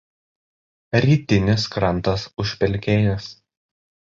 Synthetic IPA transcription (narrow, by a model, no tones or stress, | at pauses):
ɾʲiːt̪ʲɪnʲɪskɾɐnˑt̪ɐsʊʃʲpʲɛlʲkʲeːjʊs